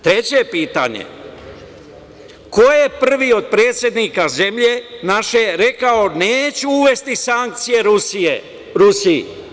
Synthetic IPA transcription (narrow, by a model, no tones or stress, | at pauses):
t̪ɾe̞t͡ɕepiːt̪a̰ɲḛ | ko̞jepr̩ʋio̞d̪̚pɾe̞ːt̪sʲje̞d̪nikaze̞mʎe̞naʃe̞ɾe̞kao̞neːt͡ɕuuʋe̞st̪isaŋk̚t̪sije̞ɾse | ɾusiḭ